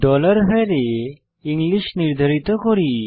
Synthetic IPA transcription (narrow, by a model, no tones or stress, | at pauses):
ɖɔləɾɦeɾe | iŋɡliɕniɾd̪ʱəɾit̪ɔkɔɾiː